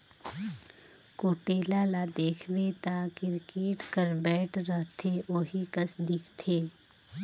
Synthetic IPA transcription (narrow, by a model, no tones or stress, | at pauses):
koːʈeːlalad̪eːkʰʋet̪aːkɪɾkeːʈkəɾbɛːʈʰɾəɦt̪ʰeoːɦikəsd̪ɪkʰt̪ʰeː